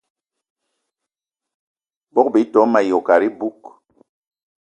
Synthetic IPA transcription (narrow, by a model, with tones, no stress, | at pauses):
bɔ˦k̚bi˨˦tɔ˨˦ma˨jɔ˨ka˨ɾi˦bu˦k